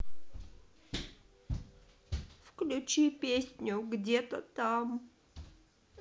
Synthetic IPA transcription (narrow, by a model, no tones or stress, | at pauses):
fklʲʊt͡ɕipʲesʲnʲʊɡdʲet̪ət̪am